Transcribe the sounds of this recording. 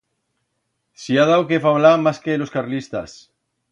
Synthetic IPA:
siaðawkefaβlamaskeloskaɾlist̪as

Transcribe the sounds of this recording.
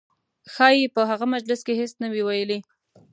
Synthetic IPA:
xɑjepəɦaɣamad͡ʒlɪskeɦesnawiwajəli

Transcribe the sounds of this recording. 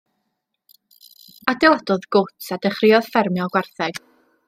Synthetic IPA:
adɪlˠadɔðɡ̥ʊtsadəχrɪɔð̥fɛrmjɔlˠɡwarθɛɡ̥

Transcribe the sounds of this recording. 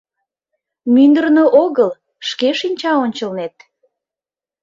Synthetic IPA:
mynd̪ərnoʔoɣəl | ʃkeʃinʲt͡ɕɑonʲt͡ɕəlnet̪̚

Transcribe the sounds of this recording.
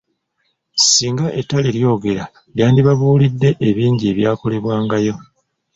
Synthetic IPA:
siːŋɡaʔetːaleljo̞ːɡe̞ɾa | ljaːndiβaβuːlidːe̞ʔeβiːɲɟieβjaːko̞le̞βwaːŋɡajo̞

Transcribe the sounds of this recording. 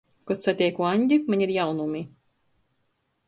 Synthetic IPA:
kɔt̪sat̪ʲɛjkuaɲʲɟʲimaɲʲiɾjawnumi

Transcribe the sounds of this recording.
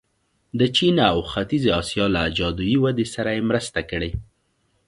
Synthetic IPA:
d̪ət͡ʃinawxat̪izeɑsijɑlaːd͡ʒɑd̪ujiwad̪esaɾajemɾəst̪akəɽe

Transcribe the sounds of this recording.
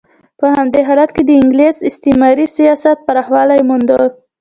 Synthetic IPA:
pəhamd̪eɦɑlat̪ked̪əɪŋɡlezɪst̪emɑɾisijɑsat̪̚paɾɑxwɑlajmʊnd̪əɾ

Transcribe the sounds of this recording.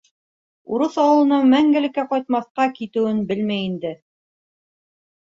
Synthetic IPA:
uɾɤθɑwɤ̆lˠɤ̆nɑmæŋɡɘ̆lɘ̆kːæqɑjt̪̚mɑθqɑkit̪ɘ̆wɘnbɘlmæjind̪ɘ

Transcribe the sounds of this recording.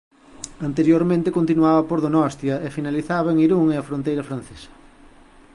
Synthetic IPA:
ɐnt̪eɾjoɾmẽnt̪ekont̪inuaβɐpoɾðonɔst̪jɐefinaliθaβɐeŋiɾuŋeɐfɾõnt̪ejɾɐfɾan̟θesɐ̥

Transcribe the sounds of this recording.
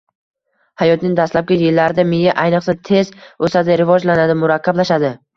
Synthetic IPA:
hajɒt̪nɪŋd̪ast̪lap̚ɡʲajɪlːaɾɪd̪amɪjaʔajnɨqsat̪ʰe̞zosad̪ɪɾɪvɒd͡ʒlanad̪ɪmʊɾaqʰːɑblaʃad̪ɪ

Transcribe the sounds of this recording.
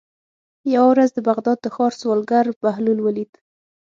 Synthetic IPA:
jawawɾazd̪əbaɣd̪ɑd̪̚ːəxɑɾswɑlɡaɾbahlunwəlid̪

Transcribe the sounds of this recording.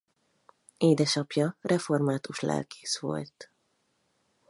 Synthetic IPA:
eːd̪ɛʃɒpjɒrʔɛfo̞rmaːt̪uʃlɛ̰lkʰe̥ːʃʋo̞̰lt̪

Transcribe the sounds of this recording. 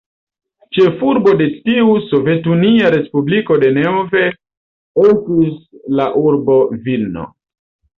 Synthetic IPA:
t͡ʃe̞fuɾbo̞de̞tiuso̞ve̞tuniaɾe̞spubliko̞de̞neove̞ | etislaʔuɾbo̞vilno̰

